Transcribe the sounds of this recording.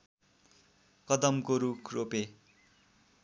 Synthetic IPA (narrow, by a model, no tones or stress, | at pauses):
kʌd̪ʌmkoɾukʰrope